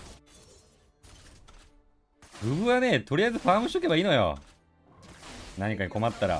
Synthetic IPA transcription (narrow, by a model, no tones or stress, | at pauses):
ɡɯ̟βɯ̟βane̞t̪o̞ɾʲijaizɨɸaːmɯ̃ɕi̥t̪oke̞baiːnojo̰ | naɲ̟ikaɲ̟iko̞mat̪ːaɾa̰